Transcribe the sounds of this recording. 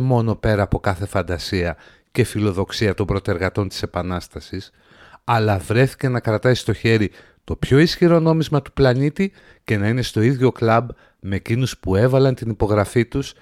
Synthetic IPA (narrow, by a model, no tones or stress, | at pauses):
mo̞no̞pe̞ɾɐːpo̞kɐθe̞fɐnd̪ɐsiɐ | ce̞filo̞ðo̞ksiɐt̪o̞mbɾo̞t̪e̞ɾɣɐt̪o̞nt̪i̥se̞pɐnɐst̪ɐsis | ɐlɐvɾe̞θi̥ce̞nɐkɾɐt̪ɐsi̥st̪o̞çe̞ɾi | t̪o̞pço̞isçiɾo̞no̞mizmɐt̪u̥plɐnit̪i | ce̞nɐine̞st̪o̞iðʝo̞klɐb | me̞ːcinuspue̞vɐlɐnt̪inipo̞ɣɾɐfit̪us